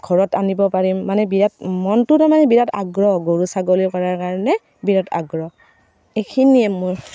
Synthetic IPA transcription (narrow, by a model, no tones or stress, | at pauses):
ɡʱɔɹɔtanibɔpaɹimːanɛbiɹatmɔntʊtamanɛbiɹata̰ɡɹɔɡoɹusaɡolikɔɹaɹkaɹɔnɛ | biɹatʰa̰ɡɹɔ | ekʰiniɛmʊɹ